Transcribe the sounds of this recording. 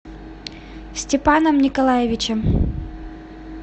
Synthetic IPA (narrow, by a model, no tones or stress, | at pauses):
sʲtʲɪpanəmnʲɪkɐlˠajɪvʲɪt͡ɕɛm